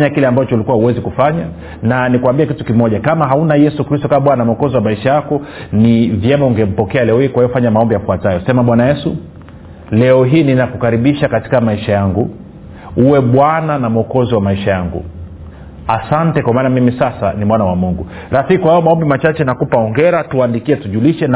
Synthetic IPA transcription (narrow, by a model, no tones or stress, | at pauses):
ɲakilɛambat͡ʃɔt͡ʃɔlikuwahuwɛzikufaɲa | nanikuambiɛakitukimɔʄakamaɦaunajɛsukɾistɔkaɓwananam̩ɔkɔziwamaiʃajakɔnivjɛmauŋɡɛm̩pɔkɛalɛɔhiːkwahijɔfaɲamaɔmbijafuatajɔsɛmaɓwanajɛsu | lɛɔɦiːninakukaɾiɓiʃakati̥kamaiʃajaŋɡu | uwɛɓwananam̩ɔkɔziwamaiʃajaŋɡṵ | asantɛkwamaːnamimisasa̰nimwanawamuŋɡu | ɾafikikwajɔmaɔmbimat͡ʃat͡ʃɛnakupaɔŋɡɛɾatuandikiɛtuʄuliʃɛn